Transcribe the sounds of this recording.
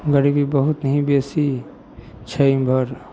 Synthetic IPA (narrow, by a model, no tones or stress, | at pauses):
ɡəɾibibəɦut̪nəɦĩbesi | t͡ʃʰəibʱəɾ